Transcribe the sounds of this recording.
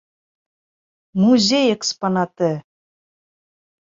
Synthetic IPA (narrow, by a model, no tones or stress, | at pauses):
muzʲejeksponɑt̪ɘ̆